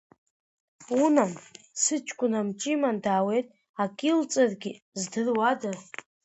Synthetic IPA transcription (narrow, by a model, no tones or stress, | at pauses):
unan | sɨt͡ʃʷʰkʷʼʊnamt͡ʃʼimandaːwe̞jtʼ | akʲʼilt͡sʼarɡʲiɪ | zdɨrwada